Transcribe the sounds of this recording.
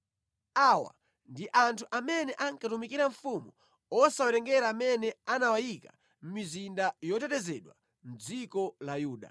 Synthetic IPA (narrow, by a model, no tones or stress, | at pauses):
awa̰ | ndiʔantʰuʔamɛnɛʔaŋkatumikiɾaɱfumu | ɔsawɛtɛŋɡɛɾaːmɛnɛanawajika | m̩mizindajɔtɛtɛzɛɗwa̰ | m̩d͡zikɔlajuːɗa̰